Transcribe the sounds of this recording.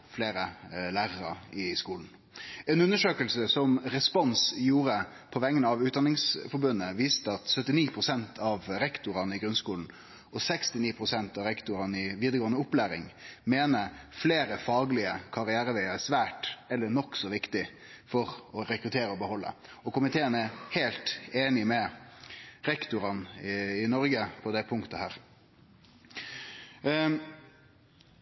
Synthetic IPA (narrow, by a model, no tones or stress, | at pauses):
fleːɾəlæːɾəɾəɪskuːln̩ | ɛnʉnːəʂøːkəlsəsɔmɾɛspɔnsjuːɾə | pʰɔʋɛŋːənəɑʋʉːt̪̚d̪ɑnɪŋsfɔbʉnːəʋiːst̪əɑt̪sœt̪ːɪniːpʰɾʊsɛnt̪ʰɑʋɾɛkt̪ʊɾɑnəɪɡɾʉnskuːln̩ | ɔsɛkst̪ɪniːpʰɾʊsɛnt̪ɑʋɾɛkt̪ʊɾɑnəɪʋiːd̪əɾɡoːənəʊplæːɾɪŋmeːnəfleːɾəfɑːɡlɪəkʰɑɾɪæːɾəʋɛɪɑæsʋæːʈɛlːəɳɔksɔʋɪkt̪ɪ | fɔɾɔɾɛkɾʉt̪ʰeːɾəɔbəhɔlːə̰ | ɔkʊmɪt̪ʰeːənæheːlt̪eːnɪmɛ | ɾɛkt̪ʊɾɑnɪnɔɾɡəpʰɔd̪ɛpʰʊŋkt̪əhæːɾ